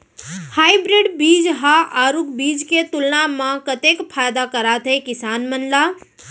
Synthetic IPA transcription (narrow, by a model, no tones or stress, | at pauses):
hajbɾeɖbiːd͡ʒɦaʔaːɾukbiːd͡ʒket̪ulnamãkət̪ekpʰajd̪akəɾat̪ɦəjkɪsaːnmənla